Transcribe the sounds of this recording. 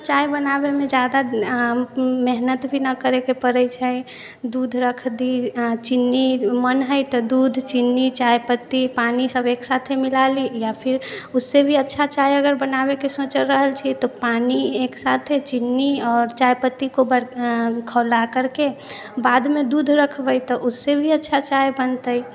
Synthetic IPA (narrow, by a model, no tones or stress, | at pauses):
t͡ʃajbənabemẽd͡ʒad̪a | meɦnət̪bʱinəkəɾekepəɾəjt͡ʃʰəj | d̪ud̪ʱɾəkʰd̪it͡ʃinːimənɦəjt̪ɔd̪ud̪ʱt͡ʃinːit͡ʃajpət̪ːipanisəbeksat̪ʰemilalijapʰiɾusːebʱiətːʃʰat͡ʃajəɡəɾbənabekesot͡ʃəɾəɦəlt͡ʃʰit̪ɔpanieksat̪ʰet͡ʃinːiɔːɾt͡ʃajpət̪ːikobəɾkʰəlakəɾke | bad̪med̪ud̪ʱɾəkʰbəjt̪ɔʔusːebʱiətːʃʰat͡ʃajbənt̪əj